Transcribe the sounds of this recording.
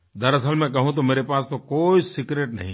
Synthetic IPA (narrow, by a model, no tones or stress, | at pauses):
d̪ɐɾɐsəlmẽkɐɦũt̪̬omeːɾepaːst̪okoːisɪkɾeːʈnɐ̰ɦĩ